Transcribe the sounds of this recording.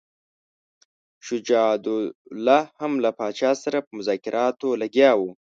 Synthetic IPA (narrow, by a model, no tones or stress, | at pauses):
ʃʊd͡ʒɑd̪ʊlahamlapɑt͡ʃɑsaɾapəmʊzɑkɪɾʔɑt̪olaɡjɑwu